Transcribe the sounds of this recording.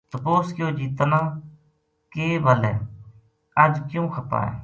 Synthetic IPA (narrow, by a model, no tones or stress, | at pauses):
t̪əpoːskjoːd͡ʒiːt̪nãː | keːbʱəlɛ̰ː | əd͡ʒkjũːxʰəpa̰ːɛ̰ː